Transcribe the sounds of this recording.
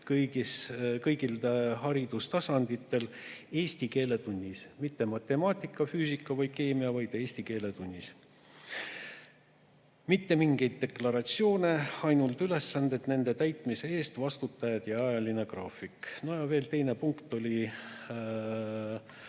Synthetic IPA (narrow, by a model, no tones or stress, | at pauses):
kɤjɡiskɤjɡilt̪eɦɑɾid̪̥ust̪ɑsɑnd̪it̪ːˑe̞le̞ːsʲt̪ike̞ːle̞t̪unʲːismit̪ːe̞mɑt̪ːˑe̞mɑːt̪ˑikːˑɑfyːsikːˑɑvɑjd̪̥̚ke̞ːmiɑvɑjd̪̥e̞ːsʲt̪ike̞ːle̞t̪unʲːis | mit̪ːe̞miŋɡe̞jd̪̥̚ːe̞klɑɾɑt̪sio̞ːne̞ɑjnult̪yle̞sːɑnd̪e̞d̪ne̞nd̪e̞t̪æjt̪ˑmise̞e̞ːst̪vɑst̪ut̪ːˑɑjɑd̪̥jɑɑjɑline̞krɑːfˑikno̞jɑve̞ːlt̪e̞jne̞puŋkt̪ˑo̞lʲi